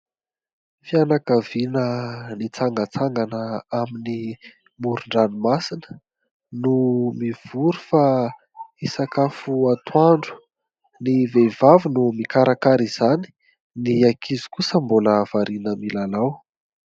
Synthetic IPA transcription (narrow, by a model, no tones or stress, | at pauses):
fianakavinənit͡saŋɡət͡saŋɡanəamini | muɾuɳɖ͡ʐanimasinə | numiv̥uɾufa | isakafuat̪waɳɖ͡ʐu̥ | nivevavinumikaɾakaɾiz̥ani̥ | niakʰizi̥kusəmboləːv̥aɾinəmilalaw